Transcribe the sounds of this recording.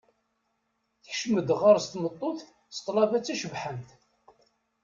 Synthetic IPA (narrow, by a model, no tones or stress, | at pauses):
θəçʃməd̪ʁaɾst̪mət̪ˤːoθ | st̪ˤːlɑvæt͡sːæʃəvħənt̪